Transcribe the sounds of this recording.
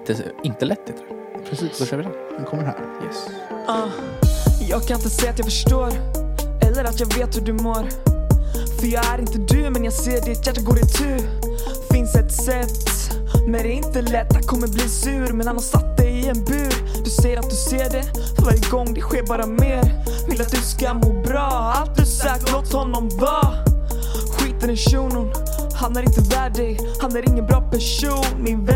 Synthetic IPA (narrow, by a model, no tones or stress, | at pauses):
t̪əɪnt̪əlɛt̪ːɪt̪ɛ | pʰɾɛsi̥ːɔɛɪd̪ɛhkʰɔmːəɾhæ̰ːɾjɛ̰s | ʔɑ | jɑːɡkʰanɪnt̪ːəsɛjːat̪jɑːfœʂʈoːɾʔɛlːəɾat̪jɑːɡveːt̪hʉɖɵmoːɾ | fœɾjɑːɡæɾɪnt̪əd̪ʉmɛnjɑːɡseːɖɛt̪jæʈːaɡoːɾɪt̪ʰʉ̟ː | fɪnsd̪ɛt̪sɛt̪ː | mɛnd̪ɛɾɪnt̪əlɛt̪ːdakʰɔmːəɾbliːsʉ̟ːɾmɛnhanhasat̪ːd̪ɛjɪɛnbʉ̟ː | d̪̥ɵsɛjːəɾat̪̚d̪ɵseːɖɛ | fœɾvaɾjəɡɔŋːd̪ɛɧeːɾbɑːɾameːɾ | vɪlat̪̚d̪ɵskamoːbɾɑː | alt̪̚d̪ɵsɛːkəɾoːt̪hɔnːɔmva | ɧiːt̪ənɪʂuːnʊn | hanæɾɪnt̪əvæːɖɛɡ | hanæɾɪŋːənbɾɑːpʰæʂ | uːnmɪnv